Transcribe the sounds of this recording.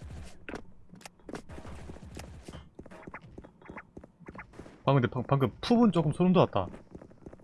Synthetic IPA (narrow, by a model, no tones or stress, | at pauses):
paŋɡɯndepapaŋɡɯppʰubunt͡ɕ͈ok͈ɯmsʰoɾomdoat̚t͈a̰